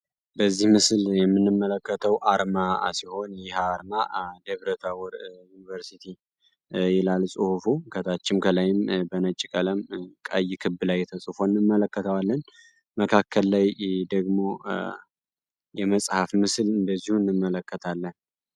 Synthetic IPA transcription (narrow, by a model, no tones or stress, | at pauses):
bəzːihmɨsljɛmːɨnːɨmːələkːət̪ʰəwʔaɾmasiho̞njɪhaɾmad̪eβɾət̪ʰawɔɾjunivəɾsit̪ʰi | jɛlalsʼɨhufukʰət̪ʰat͡ʃːɪmkʰəlajɪmbənət͡ʃʼːikʼələmkʼajːɪkʰɨbːlajɛt̪ʰəsʼufonːɨmːələkːət̪ʰəwalːən | məkʰakːəlːajd̪əɡmo̞ | jɛməsʼhafmɨslɨnd̪əzːihuɨnːɨmːələkːət̪ʰalːən